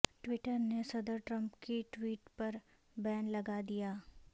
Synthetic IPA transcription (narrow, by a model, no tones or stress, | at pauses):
ʈwɪʈəɾnesɐd̪əɾʈɾə̃mpkiʈwiːʈpɐɾ | bɛːnlɐɡad̪ijaː